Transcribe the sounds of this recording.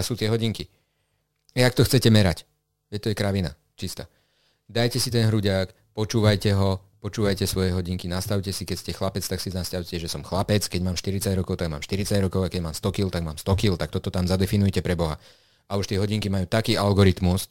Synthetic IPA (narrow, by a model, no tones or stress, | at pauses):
suːt̪ɪɛɦɔɟiŋki | ɛjak̚t̪ɔxt͡sɛcɛmɛɾac | ʋɛct̪ɔjɛkɾaʋina̰ | t͡ʃist̪a̰ː | d̪ajcɛsit̪ɛnɦɾuɟaːk | pɔt͡ʃuːʋajcɛɦɔpɔt͡ʃuːʋajcɛsʋɔjɛɦɔɟiŋkinast̪aʊcɛsikɛcscɛxlapɛt͡st̪aksiznascaʊcɛʒɛsɔmxlapɛt͡skɛɟmaːmʃt̪iɾit͡saɟɾɔkɔʊt̪aɡma̰ːmʃt̪iɾit͡saɟɾɔkɔʊakɛɟmaːmst̪ɔkilt̪aɡmaːmst̪ɔkilt̪ak̚t̪ɔt̪ɔt̪amzad̪ɛfinujɛcɛpɾɛbɔɦa̰ | auʃt̪ɪɛɦɔɟiŋkimajuːt̪akiːʔalɡɔɾit̪mus